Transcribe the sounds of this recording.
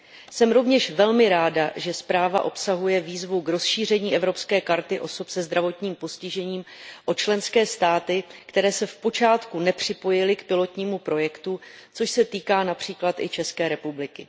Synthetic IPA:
sɛmɾo̞vɲɛʃvɛlmɪɾaːdaʒɛspɾaːva̰ʔo̞psaɦujɛviːzvukɾo̞sʃiːr̝ɛɲiːʔɛvɾo̞pskɛːkaɾt̪ɪʔo̞so̞psɛzd̪ɾavo̞t̪ɲiːmpo̞scɪʒɛɲiːmʔot͡ʃlɛnskɛːst̪aːt̪ɪkt̪ɛɾɛːsɛfpo̞t͡ʃaːt̪kunɛpr̝̥ɪpo̞jɪlɪkpɪlo̞t̪ɲiːmupɾo̞jɛkt̪ut͡so̞ʃsɛt̪iːkaːnapr̝̥iːklat̪ʔɪt͡ʃɛskɛːɾɛpublɪkɪ

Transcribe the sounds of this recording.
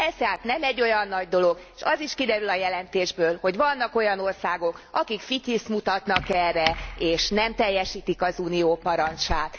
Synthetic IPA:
ɛst̪aːt̪nɛmɛɟːo̞jɒnːɒɟd̪o̞lo̞ɡ | ʃɒziʃkid̪ɛɾylɒjɛlɛnt̪eːʒbøːlho̞ɟvɒnːɒko̞jɒno̞rsaːɡo̞kɒkikfit̪ismut̪ɒt̪nɒkɛrːɛeːʃnɛmt̪ɛjːɛʃiːt̪ikɒzuːnijoːpɒɾɒnt͡ʃaːt̪

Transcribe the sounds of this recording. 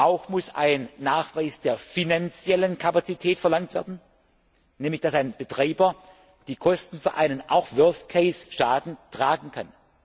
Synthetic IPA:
ʔaʊxmʊsa̰ɪnːaːxv̥aɪsd̥eːɐfinant͡sjɛlənkʰapat͡sitʰɛːtfɛɐlaŋtv̥ɛɐdn̩ | nɛːmlɪçd̥asaɪnb̥ətʁ̥aɪbɐ | d̥iːkʰɔstn̩fyːɐʔaɪnənʔa̰ʊxv̥œɐskʰeɪsʃaːdn̩tʁ̥aːɡŋ̩kʰan

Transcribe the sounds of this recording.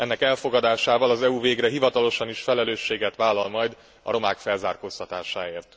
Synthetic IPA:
ɛnːɛkɛlfo̞ɡɒd̪aːʃaːvɒlɒzɛuveːɡrɛɦivɒt̪ɒlo̞ʃɒniʃfɛlɛløːʃːeːɡɛt̪ʋaːlːɒlmɒjd̪ | ɒ̰ɾo̞maːkfɛlzaːrkoːst̪ɒt̪aːʃaːeːrt̪

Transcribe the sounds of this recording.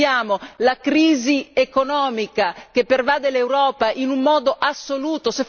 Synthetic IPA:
jaːmolakɾiːziekonɔːmikak̟epːervaːd̪elewɾɔːpaʔinumːɔːd̪oʔasːoluːt̪ose

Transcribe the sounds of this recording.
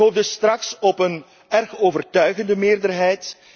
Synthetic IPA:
oːvdəstrɑksɔpən | ɛrxoːvərtœɥɣəndəmɪːrdərɦɛjt

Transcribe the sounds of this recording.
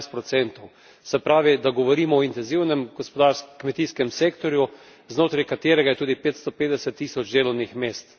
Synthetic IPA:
st̪pɾɔt̪sɛnt̪ɔw | sɛpɾaːʋid̪aɡɔʋɔɾiːmɔɔint̪ɛnziwnɛmɡ̥ɔspɔd̪aːɾskmɛt̪iːskɛmseːkt̪ɔɾju | znoːt̪ɾɛjkat̪eːɾɛɡajɛt̪uːd̪ipeːt̪st̪ɔpeːd̪ɛsɛt̪ːiːsɔd͡ʒd̪eːlɔwnixmeːst̪

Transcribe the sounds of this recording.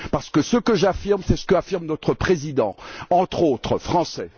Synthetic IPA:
paʁsə̥kəsəkəʒafiʁmsɛsə̥kəafiʁmnɔt̪χəpχezid̪ɑ̃ɑ̃t̪χot̪χəfχɑ̃sɛ

